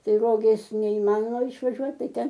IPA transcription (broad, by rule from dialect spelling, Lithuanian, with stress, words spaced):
ˈtɐɪ ˈroːɡʲeːs nʲɛɪˈmɑːnoːmɐ ɪʃʋɐˈʒʲuɔt ˈtɐɪ ˈtʲɛn